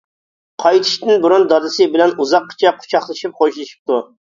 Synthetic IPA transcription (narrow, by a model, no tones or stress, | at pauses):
qʰɑjt̪ʰɪ̥ʃt̪ɪnbuɾund̪ɑd̪ɨsɨbɪlɛnuzɑqːə̥t͡ʃʰɛqʰʊ̥t͡ʃʰɑχlˠɨʃip̚χoʃilˠɨʃi̥p̚t̪u